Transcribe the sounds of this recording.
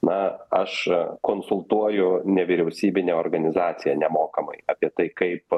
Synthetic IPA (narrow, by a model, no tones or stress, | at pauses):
nɐɐʃkoːnsʊlˠt̪uɔjʊnʲɛʋʲiɾʲɛʊsʲiːbʲɪnʲeːoːrɡɐnʲɪzɑːt̪sʲɪjɛːnʲɛmoːkɐmɐ̰ɪɑːpʲiɛt̪ɐɪkɐɪp